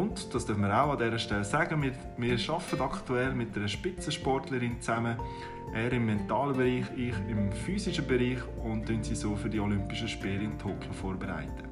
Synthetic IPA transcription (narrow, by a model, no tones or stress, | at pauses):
ʊntd̥ɑːsd̥œfməɾaʊɑdɛːɾəʃtɛlsæɡəmɪ | mɪːɾʃɑfətɑktuɛlmɪt̚d̥ɛɾəʃpɪt͡səʃpɔrtləɾɪnt͡sæmə | ʔɛːɾɪmːɛntɑːləbeɾiːχɪχɪmfyːsɪʃəbɛɾiːχʊntdøntsisoːfʏɾdiɔlʏmpɪʃəʃpɪːlɪntʰoːkʰjofoːɾbɛɾa̰ɪtə̥